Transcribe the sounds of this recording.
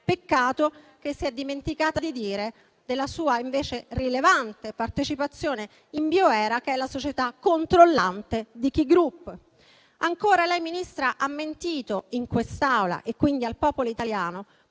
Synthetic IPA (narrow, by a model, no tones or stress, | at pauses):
pekːaːt̪o | k̟esːiɛd̪ːiment̪ikaːt̪ad̪id̪iːɾe | d̪elːasuːaiɱveːt͡ʃerilevant̪epart̪et͡ʃipat̪sːjoːne | imbjoɛːɾakeɛlːasot͡ʃet̪akːont̪ɾolːant̪ed̪ik̟iɡɾupː | aŋkoːɾalɛjminist̪ɾaʔamːent̪iːt̪oiŋkwest̪awla̰ʔekːwind̪ialpɔːpoloit̪aljaːno